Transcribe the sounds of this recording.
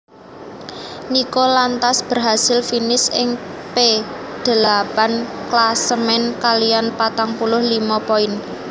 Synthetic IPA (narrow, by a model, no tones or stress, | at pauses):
nikɔlant̪asb̥ə̤rɦasɪlfinɪsɪŋped̪̥ə̤lapanklasəmɛnkalijanpat̪aŋpulʊhlimɔpɔɪn